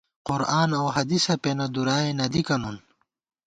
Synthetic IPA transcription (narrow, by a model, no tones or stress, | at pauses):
qʊɾaːnɐwɦɐd̪isɐpenɐd̪uɾaːenɐd̪ikɐnon